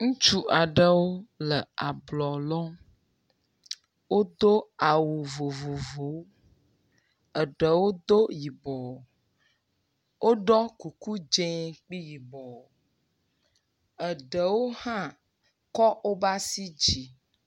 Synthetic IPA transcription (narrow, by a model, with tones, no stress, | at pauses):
ŋũ˦t͡ʃu˦a˨ɖə˦wo˦lə˨a˨blɔ˨lɔ̃˦ | wo˦d̪o˦a˨wu˨vo˨vo˨vo˨˦ | ə˨ɖə˨wo˦d̪o˦ji˨bɔ˨ | wʔo˦ɖɔ˦ku˨ku˦d͡ʒẽ˦k͡pi˦ji˨bɔ˨ | ə˨ɖə˨wo˦hã˦ | kɔ˦o˦ba˦si˦d͡ʒi˨